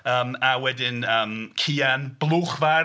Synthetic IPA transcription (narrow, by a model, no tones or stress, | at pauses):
əːmawɛdɪnəːmkʰiːanb̥lˠuːχva